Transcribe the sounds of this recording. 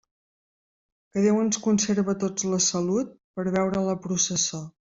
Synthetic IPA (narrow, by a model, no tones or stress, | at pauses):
kəðewənskunseɾβət̪od͡zləsəlut̪̚pəɾβɛwɾələpɾusəso